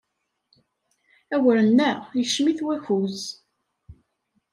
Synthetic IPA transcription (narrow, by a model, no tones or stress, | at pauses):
æwəɾənːæʁjəʃmiθwæçuz